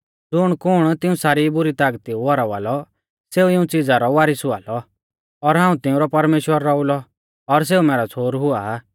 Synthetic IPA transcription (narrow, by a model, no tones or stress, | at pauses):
d͡zʊɽ̃kʊɽ̃t̪ɪũsaːɾibʊɾit̪aːɡt̪iuʋɔɾaʋa̰ːlɔ | seːuɪũt͡sɪd͡zaɾɔʋaːɾɪsʊa̰ːlɔ | ɔɾɦãːũt̪ɪũɾɔpɐɾmeːʃwəɾːɔʊlɔ | ɔɾs̬eːumɛːɾat͡sʰoːɾɦʊaː